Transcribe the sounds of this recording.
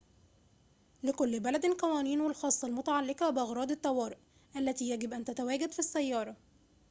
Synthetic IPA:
lɪkʊlːbælæd̪qɑwæːniːnwɪlxɑːsˤːɑlmʊt̪aʕalːɪqɑbɪʔɑɣɾˤɑːd̪ɪt̪ːɑwɑːɾɪʔ | ʔælːæt̪iːjæɡɪbʔænt̪æt̪æwæːɡad̪fisːæjːɑːɾˤɑ

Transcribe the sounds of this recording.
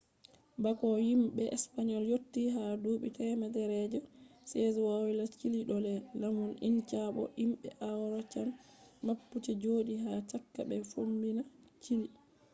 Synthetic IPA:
bakɔjimɓɛʔɛspaɲɔljotːiɦaduːɓitɛmadɛɾɛd͡ʒɔsɛzɛwawilat͡ʃiliɗɔlɛlamunḭnt͡ʃaɓɔ̰ʔimɓɛ̰ʔawɾɔt͡ʃamː | apːut͡ʃɛd͡ʒoːɗiɦat͡ʃakːaɓɛfombinat͡ʃili

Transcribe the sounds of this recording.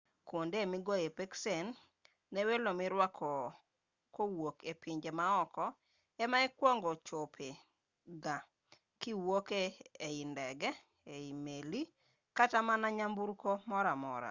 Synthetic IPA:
kwondemiɡɔepeksɛnː | ewelomɪɾwakʰɔ | kowokepiɲd͡ʒemaɔkɔ | ɛmaɛkwɔŋɡɔt͡ʃopʰe | ɡa | kiwokeeindɛɡɛ | eimeli | katamanaɲambuɾkomɔɾamɔ̰ɾa̰

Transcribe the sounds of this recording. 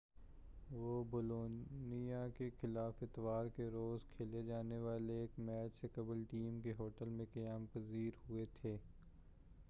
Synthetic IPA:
ʋoːboːloːnijakexɪlaːfɪt̪ʋaːɾkeɾoːzkʰeːled͡ʒaːneʋaːleːkmɛːt͡ʃsekɐbəlʈiːmkeɦoːʈəlmẽkɐjaːmpəziːɾɦʊet̪ʰeː

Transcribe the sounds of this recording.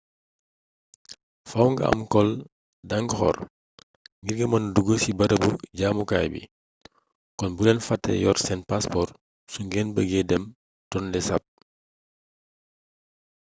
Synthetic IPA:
fawŋɡɐ̰ʔɐ̰mkɔl | dɐŋɡxɔ̰r | ŋɡirɡɐmɐnduɡəsibɐɾəbuɟaːmukaːjbḭ | kɔnbulɛnfɐtːɛ̰jɔrsɛnpaspɔr | suŋɡɛːnbəɡɛdɛm | tɔnlɛsap̚

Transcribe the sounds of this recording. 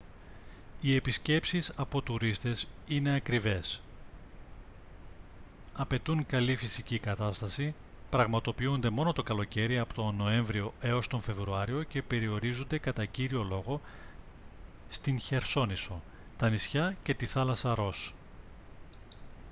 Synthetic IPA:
ie̞pisce̞psisɐpo̞t̪uɾist̪e̞sine̞ɐkɾive̞s | ɐpe̞t̪uŋkɐlifisicikɐt̪ɐst̪ɐsi | pɾɐɣmɐt̪o̞piund̪e̞mo̞no̞t̪o̞kɐlo̞ce̞ɾiɐpot̪o̞no̞e̞ɱvɾio̞e̞o̞st̪o̞ɱfe̞vɾuɐɾio̞ce̞pe̞ɾio̞ɾizund̪e̞kɐt̪ɐciɾio̞lo̞ɣo̞ | st̪inçe̞ɾso̞niso̞ | t̪ɐnisçɐce̞t̪iθɐlɐsɐɾo̞s

